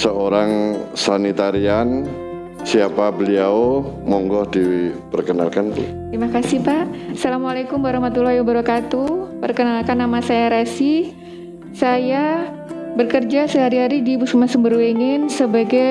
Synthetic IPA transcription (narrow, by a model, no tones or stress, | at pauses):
səoɾaŋsanit̪aɾian | siapabəliaomɔŋɡɔhdipərkəna̰lkant̪ɾimakasipaʔsalamalekumwaɾahmat̪ulahiwabəɾɔkat̪upərkənalkanːamasajaɾasi | saja | bərkərd͡ʒasəɦaɾiɦaɾidipusumansəmbəɾuweŋɪnsəbaɡa